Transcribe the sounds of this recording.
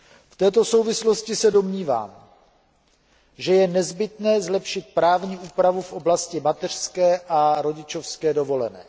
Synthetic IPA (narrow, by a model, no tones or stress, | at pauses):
ft̪ɛːt̪o̞so̞wvɪslo̞scɪsɛdo̞mɲiːva̰ːm | ʒɛjɛnɛzbɪt̪nɛːzlɛpʃɪt̪̚pɾaːvɲiːʔuːpɾavufʔo̞blascɪmat̪ɛr̝̥skɛːʔaɾo̞ɟɪt͡ʃo̞fskɛːdo̞vo̞lɛnɛ̰ː